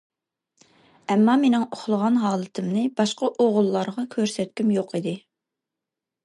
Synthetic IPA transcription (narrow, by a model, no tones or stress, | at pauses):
ɛmːɑmenɪŋoχlˠəʁɑnɦɑːlˠɨt̪ʰɨmnɨbɑʃqɑʔoʁʊlˠːɑɾʁɑkʲʰøɾsɛt̪̚kʲymjoqid̪ɪ